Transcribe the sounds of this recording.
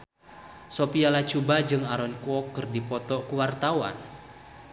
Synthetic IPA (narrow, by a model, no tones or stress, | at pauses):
sopialat͡ʃubad͡ʒɨŋaɾɔnkuɔkːɨrdipɔt̪ɔkəwart̪awa̰n